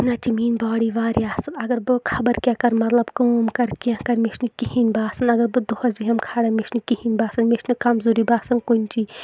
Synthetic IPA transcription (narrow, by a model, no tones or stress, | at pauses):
nɐt͡ʃimiːnbaːɽiʋaːɾiaːsɨnɐɡɐɾbɨkʰɐbɐɾkʲãːkɐɾmɐt̪lɐbkoːmkɐɾkãkɐɾmeʃʰnɨkihinbaːsɨnɐɡɐɾbɨd̪ohɐzbiɦɐmkʰaːɽɐmeʃʰnɨkihinʲbaːsɨnmet͡ʃʲnɨkɐmzuːɾibaːsɐnkunʲt͡ʃi